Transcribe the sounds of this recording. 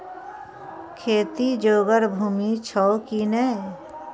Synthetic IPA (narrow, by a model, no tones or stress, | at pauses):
kʰeːt̪id͡ʒoːɡəɾbʱuːmit͡ʃʰɔokinɛː